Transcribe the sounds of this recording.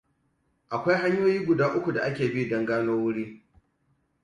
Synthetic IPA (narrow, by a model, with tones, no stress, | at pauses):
ʔa˨kʷa˦jɦa˦ɲjoː˦jiː˦ɡʷʊ˨daː˦ʔʊ˦kʷu˨da˨ʔa˦kʲeː˨bi˦dɔ˦ŋɡaː˦noː˦wʊ˦ɽiː˦